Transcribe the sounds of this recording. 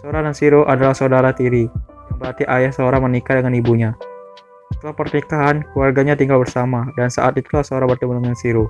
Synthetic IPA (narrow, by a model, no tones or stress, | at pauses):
səoɾanansiɾoʔadalahsəudaɾat̪iɾi | bəɾart̪iʔajahsəoɾaŋmənikadəŋanibuɲa | sət̪əlahpərknikaɦankluarɡaɲat̪iŋɡalbərsamadansa̰ʔat̪it̪ulahsəoɾaŋbərt̪imunəŋansiɾo